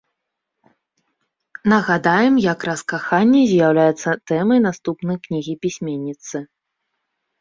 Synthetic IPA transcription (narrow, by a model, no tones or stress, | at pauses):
nɐɣad̪ajɛmjɐkɾɐskaxanʲːɛzʲjawlʲajɛt̪sːɐt̪ɛmɐjnast̪upnɐjknʲiɣʲipʲisʲmʲenʲːit̪sɨ